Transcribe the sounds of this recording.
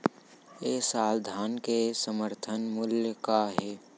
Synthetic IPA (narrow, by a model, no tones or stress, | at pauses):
eːsaːld̪ʱaːnkesəməɾt̪ʰənmʊljkaɦɛː